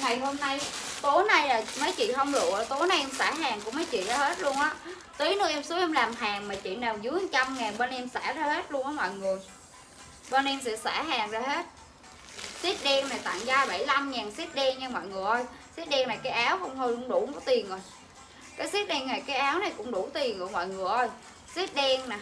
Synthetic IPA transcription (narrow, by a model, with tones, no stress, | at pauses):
ŋa˨˩jɦo˧mna˧jt̪o˨˦na˧jlaː˨˩mə˨˦jt͡ɕḭ˧˨ɦə˧wŋ͡mɗṵ˧˨˩t̪o˨˦jna˨˧jʔɛ˧msaː˧˩ɦaː˨˩ŋkʊ̰˧˥ŋ͡mməː˨˦jt͡ɕḭ˧˨zaː˧he˦˥t̚lu˧ənʔaː˨˦ | t̪i˨˦nɔ˨˦ʔɛ˧msu˨˦ʔɛ˧mlaː˨˩mɦaː˨˩ŋmaː˨˩t͡ɕḭ˧˨naː˨˩wzɨ˨˦ht͡ɕa˧mŋaː˨˩nɓə˧nʔɛ˧msaː˧˩zaː˧he˦˥t̚lu˧ənʔɔː˨˦mɔ̰˧˨jŋɨ˨˩əj | ɓə˧nʔɛ˧msɛ̰˧˥saː˧˩ɦaː˨˩ŋzaː˧ɦe˦˥t̚ | si˦˥t̚ɗɛ˧ŋna˨˩jt̪a̰˧˨ŋzaː˧ɓa˧˩jla˧mŋaː˨˩nsi˦˥t̚ɗɛ˧ŋɲa˧mɔ̰ː˧˨jŋɨ˨˩əʔə˧jsi˦˥t̚ɗɛ˧ŋna˨˩jkaː˨˦jʔaː˨˦wxə˧wŋ͡mhə˧jkʊ̰˧˥ŋ͡mɗu˧˩kɔ˨˦t̪i˨˩ənzo˨˩j | kaː˨˦jsi˦˥t̚ɗɛ˧ŋna˨˩jkaː˨˦jʔaː˨˦wna˨˩jkʊ̰˧˥ŋ͡mɗu˧˩t̪i˨˩ənʔɨ̰˨˧˩mɔ̰ː˧˨jŋɨ˨˩əʔə˧j | si˦˥t̚ɗɛ˧ŋnaː˨˩